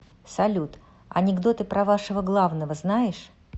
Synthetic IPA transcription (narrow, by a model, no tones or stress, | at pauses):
sɐlʲut̪ | ɐ̰nʲɪɡd̪o̞t̪ɨpɾɐvaʂəvəɡlˠavnəvəznajɪʂ